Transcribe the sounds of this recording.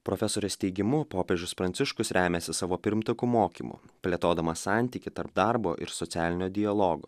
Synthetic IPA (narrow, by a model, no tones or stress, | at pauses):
pɾoːfʲɛsoːɾʲɛst̪ʲɛɪɡʲɪmʊpoːpʲed͡ʒʲʊspɾɐnʲt̪sʲɪʃkʊsɾʲæːmʲɛsʲɪsɑːʋoːpʲɪɾʲmʲt̪ɐkumoːkʲḭːmṵpʲlʲeɛt̪oːd̪ɐmɐsɑnʲt̪ʲiːkʲɪt̪ɐɾp̚d̪ɑɾbo̰ːʔɪ̰ɾsɔt̪sʲæːlʲɪnʲoːd̪ʲɪjɐlˠoːɡo̰ː